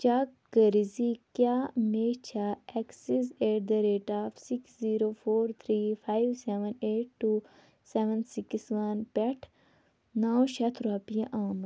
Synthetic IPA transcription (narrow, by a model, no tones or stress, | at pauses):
t͡ʃakɡəɾizikjaːmeːt͡ʃʰaɛksizeːʈ̚d̪ɐɾeːʈaːfsiksziːɾoːfoːɾt̪ʰɾiːfajʋseʋɐneːʈ̚ʈːu | seʋɐnsiksʋɐnpɛʈʰ | nawʃɐt̪ʰɾaːpijɐ̃ʔaːm